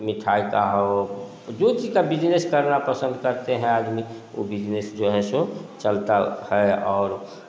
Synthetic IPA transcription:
miʈʰajkaɦɛ | d͡ʒot͡ʃid͡ʒkabid͡ʒneskəɾnapəsə̃nd̪kəɾt̪eɦɛ̃ad̪mi | o̰bid͡ʒnesd͡ʒoɦɛsot͡ʃəlt̪ahɛɔːɾ

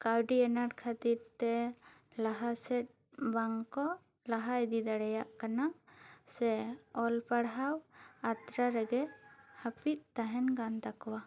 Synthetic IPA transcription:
kawɖiɛnaɾkʰat̪iɾt̪ɛ | laɦasɛt̪̚ | baŋkɔ | laɦaɛd̪id̪aɽajaʔkanaʔsɛɔlpaɽɦawat̪ɾaɾɛɡɛhapit̪̚ˀt̪aɦɛnɡand̪akɔwa

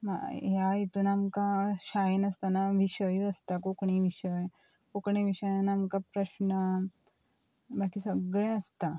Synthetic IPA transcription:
ma̰ɦjait̪uːnamkaɕajenəst̪anaʋiɕəjəst̪akokɳ̃iʋiɕəj | kokɳ̃eʋiɕəjanːmkapɾəɕnə | bakiːsəɡɭẽəst̪a

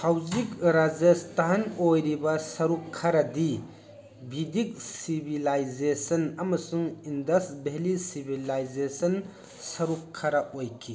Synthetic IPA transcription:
pʰawzikɾazestaɦanojɾibɐsɐɾukʰːɐɾɐdi | bʱidik̚sibʱilajzesɐnɐmɐsuŋindɐsbelisibʱilajzesɐn | sɐɾukʰːɐɾɐojkʰi

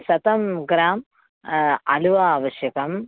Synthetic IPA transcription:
sɐt̪ɐmɡɾaːm | ɐluʋaːʋɐʃjɐkɐm

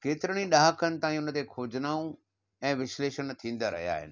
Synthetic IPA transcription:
keːt̪ɪɾəɽ̃iɗaːɦəkənɪ̆t̪aːɦĩʊnə̆t̪ekʰoːd͡ʑnaːũ | ɛ̃ːʋɪsleːʃənt̪ʰĩːn̆d̪aɾɐ̰ɦija̰ːɦɪ̰nɪ̆

